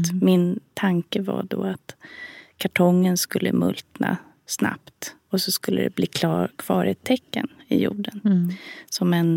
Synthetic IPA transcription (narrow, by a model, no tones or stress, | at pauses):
mɪnt̪ʰaŋkəvaɖɔat̪kʰaʈʰɔŋːənskɵlːəmɵlt̪na | snapt̪ɔsɔskɵlːəd̪ɛbliːkʰkʰv̥ɑːɾeːt̪ʰːɛkːənɪjuːɖənsɔmɛn